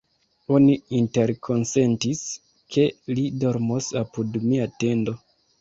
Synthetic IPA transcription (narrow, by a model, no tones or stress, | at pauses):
o̞niinte̞ɾkʰo̞nse̞ntis | kʰe̞lido̞ɾmosapudmiate̞ndo̞